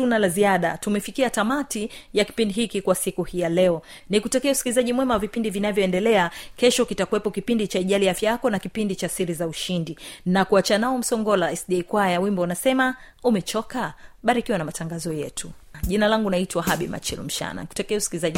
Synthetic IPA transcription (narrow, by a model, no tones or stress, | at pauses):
tunalaziaɗa̰tumɛfikiatamatijaki̥pindiɦikikwasikuhijalɛɔ | nikutakɛɛusi̥kilizaʄimwɛmawavipindivinavjɔɛndɛlɛakɛʃɔkitakuwɛpɔkipindit͡ʃaiʄaliafjajakɔnakipindit͡ʃasiɾizauʃindinakuat͡ʃanaɔm̩sɔŋɡɔlaɛsɗɛjkwajawimbɔnasɛma | umɛt͡ʃɔkaɓaɾikiwanamataŋɡazɔjɛ̰tʰu | ʄinalaŋɡunaitwaɦaɓḭma̰t͡ʃḭlm̩ʃa̰na̰niku̥takɛɛusi̥kilizaʄi